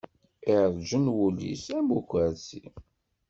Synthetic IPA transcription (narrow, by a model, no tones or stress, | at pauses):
iɾˤd͡ʒənwulːḭsæmukʷəɾsḭ